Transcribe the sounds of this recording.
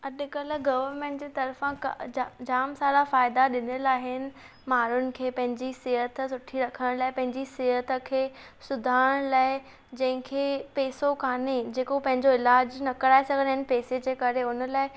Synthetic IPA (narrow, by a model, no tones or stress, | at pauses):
ɐɗkɐlɡɐʋəɾmẽːɳʈd͡ʑeːt̪ɐɾfãkd͡ʑaːmsaːɾafaːɪd̪aɗɪnəlaːɦɪnɪ̆ | maːɾʊnɪ̆kʰeːpɐ̃ɦɪ̃ɲd͡ʑisɪɦət̪sʊʈʰiɾɐkʰəɽ̃laːɪpɐ̃ɦɪ̃ɲd͡ʑisɪɦət̪̆kʰeː | sʊd̪ʱaːɽ̃laːɪ | d͡ʑɐ̃ɦɪ̃kʰeːpeːsokʰaːned͡ʑeːkopɐ̃ɦɪ̃ɲd͡ʑoɪlaːd͡ʑnɐkɐɽaːɪsɐɡʱəlɦɪnɪ̆peːsed͡ʑeːkɐɾeʊnəlaːɪ